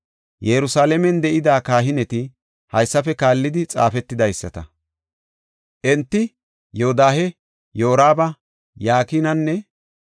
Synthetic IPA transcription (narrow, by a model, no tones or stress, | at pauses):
jɛɾʊsaːlɛmɛnd̪ɛʔɪd̪aːkaːɦɪnɛt̪ɪ | hɐjsːɐfɛkaːlːɪd̪ɪt͡sʼa̰ːfɛt̪ːɪd̪ɐjsːɐt̪ɐ | ʔɛnt̪ːɪ | joːd̪aːhɛ | jo̞ːɾaːbɐ | jaːkiːnɐnːɛ